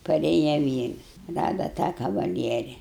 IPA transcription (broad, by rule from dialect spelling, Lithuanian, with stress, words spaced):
pɐˈrʲeːjɛ ˈʋʲiːrs ˈrɑːdɐ tɑː kɐʋɐˈlʲiɛrʲɪ